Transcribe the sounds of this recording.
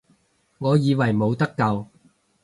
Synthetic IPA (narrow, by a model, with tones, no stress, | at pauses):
ŋɔː˨˧jiː˨˧wɐ˨˩jmo˨˧wt̪ɐ˥kːɐ˧w